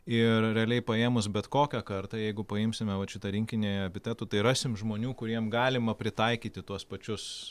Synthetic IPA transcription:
ɪrɾʲɛɐlʲɛɪpɐeːmʊsbʲɛt̪koːkʲɛkɐrt̪ɐjɛɪɡʊpɐɪmʲsʲɪmʲɛʋɐʃʲɪt̪ɐɾʲɪŋʲkʲɪnʲejɐbʲɪt̪ʲæːt̪uːt̪ɐɪɾɑːsʲɪmʒmoːnʲuːkʊɾʲiɛmɡɑːlʲɪmɐpʲɾʲɪt̪ɐɪkʲiːt̪ʲɪt̪uɔspɐt͡ʃʲʊs

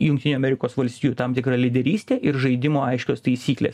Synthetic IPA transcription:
jʊŋkt̪ʲɪnʲuːɐmʲɛɾʲɪkoːsʋɐlʲsʲt̪ʲiːjuːt̪ɐmt̪ʲɪkɾɐlʲɪd̪ʲɛɾʲiːsʲt̪ʲeːʔɪɾʒɐɪd̪ʲɪmoːɐɪʃʲkʲoːst̪ɐɪsʲiːklʲḛːs

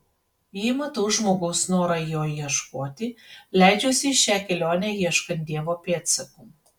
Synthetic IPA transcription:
jiːmɐt̪ɐʊʒmoːɡɐʊsnoːɾɐjoːiɛʃkoːt̪ʲɪlʲæˑɪd͡ʒʲoːsʲɪʃʲæːkʲɛlʲoːnʲæːjiɛʃkɐnt̪̚ʲd̪ʲiɛʋoːpʲeːt̪sʲɐkuː

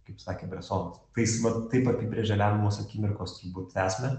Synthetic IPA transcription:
kɐɪpsɑːkʲeːbʲɾʲɛsoːnɐst̪ɐɪsʋɐt̪ːɐɪpɐpʲibʲɾʲeʒʲɛlʲæmʲmuːɔsɐkʲiːmʲɪɾkoːst̪ʲiːbuːt̪æːsʲmʲɛ

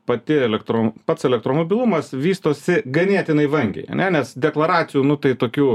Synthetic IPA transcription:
pɐt̪ʲɪɛlʲɛkt̪ɾoːpɐt̪sɛlʲɛkt̪ɾoːmoːbʲɪlˠumɐsʋʲiːst̪oːsʲɪɡɐnʲiɛt̪ʲɪnɐɪʋɐŋʲɡʲɛ̰ɪɐ̰nʲɛnʲɛsd̪ʲɛklˠɐɾɑːt̪sʲɪjuːnʊt̪ɐɪt̪oːkʲuː

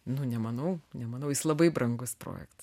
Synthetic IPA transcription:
nʊnʲɛmɐnɐʊnʲɛmɐnɐʊjɪslˠɐbɐɪbɾɐŋɡʊspɾo̰ːjɛ̰kt̪ɐs

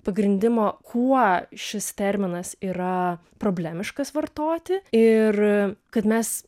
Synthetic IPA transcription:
pɐɡɾʲɪnʲd̪ʲɪmoːkʰuɔʃʲɪst̪ʲɛɾʲmʲɪnɐsiːɾɐ | pɾoːbʲlʲæːmʲɪʃkɐsʋɐrt̪oːt̪ʲɪɪrkɐt̪mʲɛs

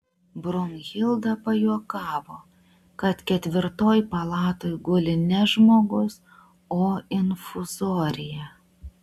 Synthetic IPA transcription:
bɾʊmɣʲɪlˠd̪ɐpɐjuɔkɑːʋoː | kɐt̪kʲɛt̪ʲʋʲɪɾt̪oːjpɐlˠɑːt̪oːjɡʊlʲɪnʲɛʒmoːɡʊs | oːɪnfʊzoːɾʲɪjɛ

